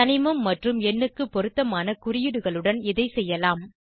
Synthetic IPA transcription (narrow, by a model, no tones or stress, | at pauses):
ɐnɪmɐmːɐʈrɯmɛnːɯkːɯpːɔɾɯt̪ːɐmaːnɐkʊɾɪjɯɽɯɣɐɭɯɽɐnɪðɐɪsɛjːɐlaːm